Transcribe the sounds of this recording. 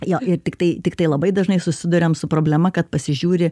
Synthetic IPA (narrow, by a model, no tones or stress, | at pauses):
joːʔɪrt̪ʲɪkt̪ɐɪt̪ʲɪkt̪ɐɪlˠɐbɐɪd̪ɐʒnɐɪsʊsʲɪd̪ʊɾʲemsʊpɾoːbʲlʲɛmɐkɐt̪̚pɐsʲɪʒʲuːɾʲɪ